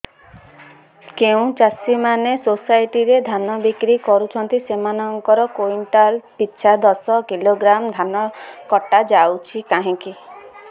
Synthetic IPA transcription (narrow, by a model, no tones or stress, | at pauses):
keũt͡ʃasimanesosajʈiɾed̪ʱanɔbikɾikɔɾut͡ʃʰɔnt̪isemanɔŋkɔɾɔkoinʈalpitːʃʰad̪ɔsɔkiloɡɾamd̪ʱanɔkɔʈad͡ʒawt͡ʃʰikaɦĩki